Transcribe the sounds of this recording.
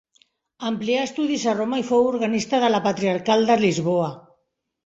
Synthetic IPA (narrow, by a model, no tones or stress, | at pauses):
əmpliaest̪uðizaromaifowuɾɣanist̪aðəlapat̪ɾiaɾkald̪əlizβoa